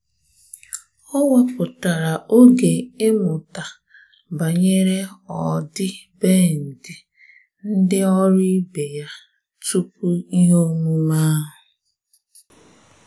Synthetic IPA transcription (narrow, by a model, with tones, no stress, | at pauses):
ɔ˦wa˦pʊ˨ta˨ɾa˨ʔo˦ɡe˨ɪ˦mʊ˨ta˨ | ba˨ɲe˦ɾe˦ɔ˨dɪ˦beː˦˨n̩˨dɪ˨ | n̩˦dɪ˦ɔ˦ɾi˦be˨ja˦ | tu˦pu˦i˦ɦo˦mu˦ma˦ɦʊ˨